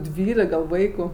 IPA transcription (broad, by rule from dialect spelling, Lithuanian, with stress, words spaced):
ˈdʲʋʲiːlʲɪk ɡɐlˠ ˈʋɐɪkʊ